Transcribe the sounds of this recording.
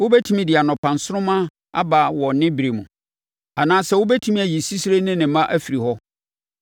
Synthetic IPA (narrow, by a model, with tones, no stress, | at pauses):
wʊ˦bɛ˦tʰu˨mĩ˨dɪ˨a˨nɔ̃˨pʰã˨n˨sʊ˦ɾʊ̃˦mã˦ | a̰˦ba˨wɔ˨nɪ̃˦bi˨ɾi˨mũ˨ | a˨nãː˦sɛ˦wʊ˦bɛ˦tʰũ˦mĩ˦æ˨ji˨si˦si˦ɾe˦nɪ̃˦nɪ̃˨mã˦ʔæ˦fi˨ɾi˨hɔ˦